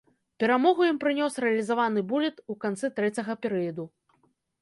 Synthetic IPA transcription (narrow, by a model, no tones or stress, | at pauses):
pʲɛɾamɔɣujimpɾɨnʲɔsɾɛɐlʲizavanɨbulʲit̪ukant̪sɨt̪ɾɛt͡sʲɐɣɐpʲɛɾɨjɐd̪u